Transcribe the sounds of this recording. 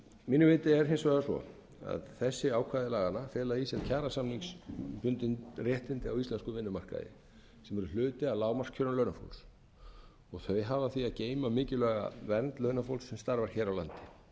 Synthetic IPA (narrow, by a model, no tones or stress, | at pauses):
miːnʏvɪːt̪ɪɛɾ̥ɦɪnsvaɣasɔ̰ | a̰ðθɛsːɪaːwkʰvaðɪlaːɣanafɛːlaisɛncʰaːɾasamniŋkspʏnt̪ɪnrjɛht̪ɪnt̪ɪawist̪lɛnskʏvɪnːʏmar̥ka̰ðɪ̰ | sɛmɛɾʏl̥ʏːt̪ɪalaːwmar̥kʰœɾalœɥnafo̰ls | ɔɣθœɥjɦaːvaθiaðceːjmamɪːcɪlɛːɣa̰vɛnt̪lœɥnafowlsːɛmst̪aɾvaɾ̥çɛːɾawla̰nt̪ɪ̥